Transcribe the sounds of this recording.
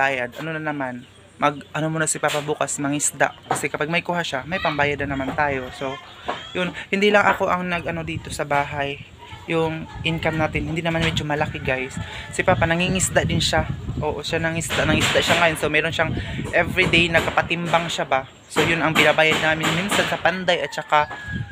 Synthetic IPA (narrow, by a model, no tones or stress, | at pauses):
baːjɐd̪̚ʔɐno̞nɐnɐman | mɐɡ̚ʔɐnomuːnɐsɪpaːpɐbuːkɐsmɐŋɪsd̪a̰ʔkɐsɛkɐpaɡ̚mɐjkuːhaʃamɐjpɐmbaːjad̪ɐnɐmant̪aːjo̞so̞ | jʊnhɪnd̪ilɐŋʔɐko̞ʔɐŋnɐɡʔɐno̞d̪iːt̪o̞sɐbaːɦajː | ʊŋʔɪnkamnaːt̪ɪnhɪnd̪inɐmanmɛd͡ʒo̞mɐlɐkɪɡajsːɪpaːpɐnɐŋiŋɪsd̪aʔd̪ɪnʃaʔo̞ːʔo̞ʃanɐŋɪsd̪aʔnɐŋɪsd̪aʔʃaŋɐjonsomɛːɾo̞nʃaŋʔɛvɹid̪ejnɐkɐpɐt̪ɪmbaŋʃaba | so̞jʊnɐŋbɪnabaːjɐd̪̚naːmɪnminsansɐpand̪ajʔɐt̪̚t͡ʃɐka